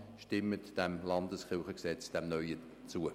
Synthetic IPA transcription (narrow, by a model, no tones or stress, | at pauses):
ʃtɪmːətd̥ɛmlɑndəsχɪlˠχəksɛt͡sd̥ɛmnœʏə | t͡suə